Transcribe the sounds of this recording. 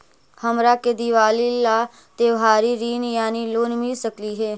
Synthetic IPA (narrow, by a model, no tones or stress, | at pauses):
həmɾaːked̪iːʋaːlilaː | t̪eːʋɦaːɾiːɾiːnjaːniːloːnmiːsəkliːɦeː